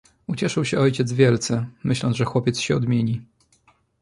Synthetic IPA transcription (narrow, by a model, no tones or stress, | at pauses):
ut͡ɕɛʂɘwɕɛɔjt͡ɕɛd̪zvʲjɛlt̪sɛmɘɕlɔnzʐɛxwɔpʲjɛt̪sɕɛɔd̪mʲjeɲi